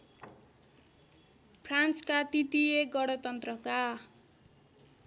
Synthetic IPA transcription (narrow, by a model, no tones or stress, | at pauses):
pʰrant͡skat̪it̪ieɡʌɽʌt̪ʌnt̪rʌka